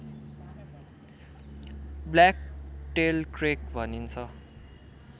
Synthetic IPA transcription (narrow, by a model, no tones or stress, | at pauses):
blakʈelkrek̚bʱʌnint͡sʰʌ